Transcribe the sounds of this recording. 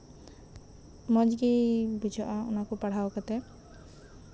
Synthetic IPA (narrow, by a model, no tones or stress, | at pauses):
mɔd͡ʒɡibid͡ʒɔʔaʊ̰nakɔpaɽ̤aokat̪ɛ